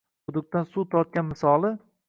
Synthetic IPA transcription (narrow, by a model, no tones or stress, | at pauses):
bʊd̪ʊk̚t̪ansut̪ʰɒɾt̪̚kʲanmɪsɒlˠɪ